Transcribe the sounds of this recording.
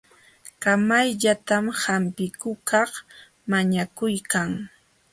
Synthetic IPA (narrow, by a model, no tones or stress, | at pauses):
kamajʎat̪amhampɪkʊkɑχ | maɲakʊjkaŋ